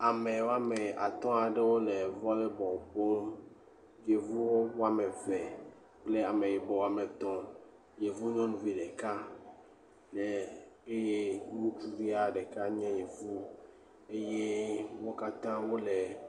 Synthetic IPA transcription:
a˨mẽ˨wo˦a˦mɛ˨a˨t̪ɔ̃˦a˨ɖe˦wo˦le˨vɔ˦lɛ˦bɔ˨ɸɔ˦m˦ | je˨vu˦wo˦wo˦a˦me˨vɛ˨ | k͡ple˦a˨mẽ˨je˨bɔ˨wo˦˨a˨me˨t̪ɔ̃˦ | je˨vu˦ɲɔ̃˦nũ˦vi˨ɖe˨ka˦ | ɖe˨e˦je˦nũ˦t͡ʃu˦vi˦a˦ɖe˨ka˦ɲɛ̃˦je˨vu˦ | e˦je˦wo˦ka˦t̪ã˦wo˦le˨

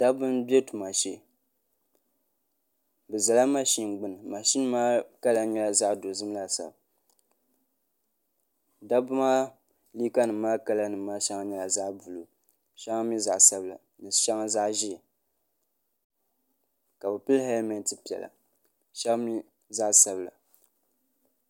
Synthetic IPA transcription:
da˦bɨ˦nbe˦tu˨ma˨ʃe˦˨ | bɨ˨za˨la˦ma˦ʃi˦n˨ɡ͡bɨ˦nɨ˨ma˨ʃi˦n˦maː˦ka˦la˨ɲɛ˦˨la˨za˦ʔdo˨zɨ˦m˦la˨sa̰˨b | da˦bɨ˦maː˦ | li˦ka˦nɨ˨mːaː˦ka˦la˦nɨ˨mːaː˦ʃa˦ŋa˦ɲɛ˨la˨za˦ʔbu˨lo˨ | ʃa˦ŋa˦mi˦za˨ʔsa˦bla̰˨ | nɨ˨ʃa˦ŋa˦za˦ʔʒi˦˨ | ka˨bɨ˨pɨ˦lhɛ˦lma˨n˨tɨ˦pi˨ɛ̰˨la̰˨ | ʃa˦bmi˦ | za˦ʔsa˨bla̰˨

